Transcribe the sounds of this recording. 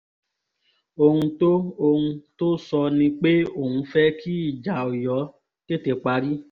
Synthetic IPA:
o˧hũ˧to˦o˧hũ˧to˦sɔ˧nĩ˧k͡pe˦o˦˨hũ˧fɛ˦kʰi˦i˦˨d͡ʒa˨o˨jɔ˨˦ | ke˦te˧k͡pa˧ɾi˦

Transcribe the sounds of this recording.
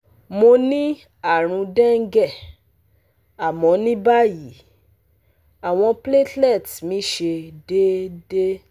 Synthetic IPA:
mo˧nĩ˦ | a˦˨ɾ̃ũ˧dɛ̃˦ŋ̩˦ɡɛ˦˨ | a˨mɔ̃˨˧˦nĩ˦ba˦ji˨˦ | a˨w̃ɔ̃˧ple˦tlɛ˦˨tmĩ˨˦ʃe˧de˦de˦

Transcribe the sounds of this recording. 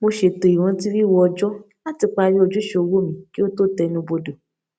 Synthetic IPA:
mo˧ʃe˧to˨i˨w̃ɔ̃˨˧˦ti˦ɾi˦˨wɔ˧ɔ˧d͡ʒɔ˦ | la˦ti˨˧k͡pa˧ɾi˦o˧d͡ʒu˦ʃo˧wo˦˨mĩ˨ki˦o˦to˦tɛ˧nũ˧bo˧do˨

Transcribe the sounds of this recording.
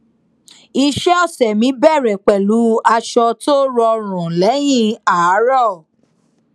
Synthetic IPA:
i˧ʃɛ˦ɔ˦˨sɛ˨mĩ˨˦bɛ˦˨ɾɛ˨k͡pɛ˨lu˨˦a˧ʃɔ˧to˦ɾɔ˧ɾ̃ũ˨lɛ˨˦j̃ĩ˦˧˨a˨a˨˦ɾɔ˦˨

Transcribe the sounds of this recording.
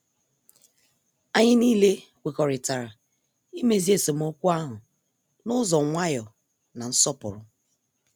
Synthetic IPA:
a˨ɲɪ˦niː˦le˦ | wʷe˨kɔ˨ɾɪ˨ta˨ɾa˨ | i˦me˦zi˦e˦˨so˨m̩˦o˦kʷu˦a˦ɦʊ˨ | nʊ˦zɔ˨ŋʷa˦jɔ˨ | na˨n̩˦sɔ˦pʊ̰˨ɾʊ˦

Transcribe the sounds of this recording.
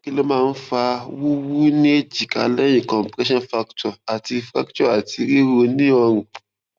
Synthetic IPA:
ki˦le˦mãː˦˧n̩˦fa˧wu˦wu˦nĩ˦e˦d͡ʒi˨ka̰˨lɛ˦jĩ˨kɔ̃˨mpɾɛ˦ʃɔ̃˦fa˦ktɔ˨a˨ti˧fɾa˦kt͡ʃɔ˦a˨ti˧ɾi˦ɾo˧nĩ˦ɔ˧ɾ̃ũ˨

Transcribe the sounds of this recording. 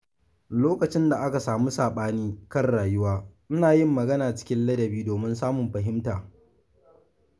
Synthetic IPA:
loː˦kɐ˨t͡ʃɪ˦nda˨ʔa˦ka˨saː˨mu˦saː˨ɓaː˦niː˦kɐ˦rɽaː˨jʊ˦waː˦ʔɪ˦naː˨jɪ˦mːɐ˨ɡɐ˦naː˨t͡ʃɪ̥˦kʲɪ˦nlɐ˦dɐ˨biː˦doː˨mɪ˦nsaː˦mʊ˨mɸɐ˨ɦɪ˦mtaː˨

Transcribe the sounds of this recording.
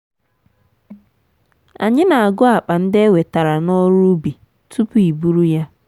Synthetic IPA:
a̰˨ɲɪ˦na˨a˨ɡʊ˦a˨k͡pa˨n̩˦dɪ˦e˦we˨ta˨ɾa˨nɔ˦ɾu˦bi˨ | tu˦pu˦i˨bu˦ɾu˦ja˦

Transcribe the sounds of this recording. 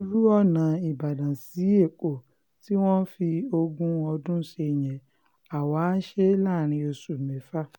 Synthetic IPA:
ɾu˦ɔ˦˨nã˨i˨ba˨dã˨si˨˦e˦˨k͡po˨ | ti˦w̃ɔ̃˦fi˧o˧ɡũ˦ɔ˧dũ˦ʃe˧˨j̃ɛ̃˨ | a˨wa˨˦ʃe˦laː˦˨ɾ̃ĩ˧o˧su˨mɛ˨fa˦

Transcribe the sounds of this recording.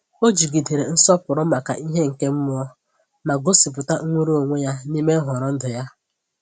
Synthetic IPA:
o˦d͡ʒi˨ɡi˨de˨ɾe˨n̩˦sɔ˦pʊ˨ɾʊ˦ma˨ka̰˨ʔi˦ɦe˦ŋ̩˨ke˦m̩˦mʊ˦ɔ˦ | ma˨ɡo˦si˨p̬ʊ˨ta˦ŋʷu˦ɾu˦o˨ŋʷe˦ja˦ni˦me˦ɦʊ˨ɾɔ˦n̩˦dʊ˨ja˦

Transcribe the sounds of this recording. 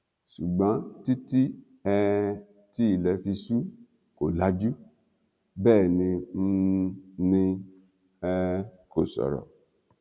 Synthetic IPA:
ʃu˨ɡ͡bã˨˦ti˦ti˦ | ɛ˧ | ti˦i˦˨lɛ˨˦fi˧su˦ | ko˨la˧d͡ʒu˦ | bɛː˦˨nĩ˧n̩˦nĩ˧ | ɛ˧ko˨sɔ̰˨ɾɔ̰˨

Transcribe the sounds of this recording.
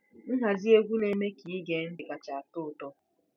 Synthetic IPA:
n̩˦ɦa˨zi˦e˦ɡʷu˦le˨me˦ki˨i˦ɡe˨˦n̩˦dɪ˨ka˨t͡ʃa˨a˨tʊ˦˨tɔ˦

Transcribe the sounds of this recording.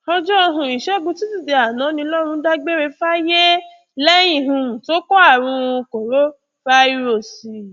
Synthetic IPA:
ɔ˧d͡ʒɔ˦ɔ˧ɦũ˧i˨ʃɛ˨˦ɡũ˧ti˦ti˦˨de˧a˨nã˨˦nĩ˧lɔ˦ɾ̃ũ˧˦da˦ɡ͡be˦ɾe˧fa˦je˦ | lɛ˦j̃ĩ˦˨ɦũ˧˨to˦kɔ˦a˦˨ɾ̃ũ˧ko˨ɾo˦ | fa˦i˦ɾo˦˨si˨˧

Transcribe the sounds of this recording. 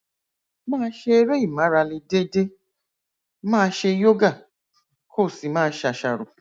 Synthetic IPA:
mãː˦˧˦ʃe˧e˧ɾe˦i˦˨mã˨˦ɾa˧le˧de˦de˦ | mãː˦˧ʃe˧˦jo˦ɡa˦˨ | kʰo˦˨si˨mãː˦˧˦ʃa˧ʃa˨ɾo˨

